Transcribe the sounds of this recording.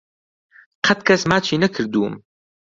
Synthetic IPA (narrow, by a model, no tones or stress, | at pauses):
qʰɐt̪̚kʰɐsmaːt͡ʃʰiːnɐkʰɨɾd̪uːm